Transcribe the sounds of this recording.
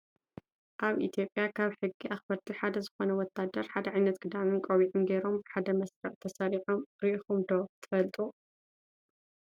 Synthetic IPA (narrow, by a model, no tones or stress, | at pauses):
ʔaβʔit̪ʰjo̞pʼjakʰaβħɨɡːiʔaxbɐɾt̪ʰiħad̪ɐzɨxo̞nɐwɔt̪ʰːad̪ɐɾħad̪ɐʕajnɐt̪ɡʼɨd̪amɨnkʼoβiʔunɡeɾo̞mbɨħad̪ɐmɐsɾɨʕt̪ʰɐsaɾiħomɾiʔixumd̪ot̪ʰɨ̥fɐlt̪ʼu